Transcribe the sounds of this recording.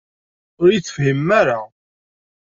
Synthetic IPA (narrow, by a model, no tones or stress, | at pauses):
ʊɾjiθə̥fhimːæɾa